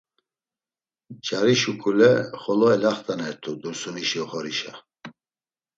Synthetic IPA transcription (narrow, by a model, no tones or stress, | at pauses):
t͡ʃʰʼaɾiʃukʰʼulɛχɔlɔɛlaχt̪ʰʼanɛɾt̪ʰud̪uɾsuniʃiɔχɔɾiʃa̰